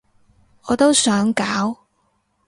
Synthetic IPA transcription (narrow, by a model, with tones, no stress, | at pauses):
ɔː˨˧t̪o˥wsœː˨˥ŋkaː˨˥w